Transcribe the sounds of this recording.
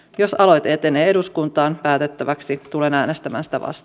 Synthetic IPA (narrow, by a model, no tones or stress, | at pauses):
jo̞sɑlo̞jt̪eːt̪eneːe̞duskunt̪ɑːnpæːt̪et̪ːæʋæksit̪ulenæːnest̪æmæ̰ːnsi̥t̪æ̰ʋʔɑ̰st̪ɑ